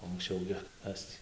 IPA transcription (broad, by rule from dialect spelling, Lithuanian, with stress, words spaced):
oː ɐŋksʲˈt͡ʃʲɛʊ ɡʲɪ ˈkɐs tʲiː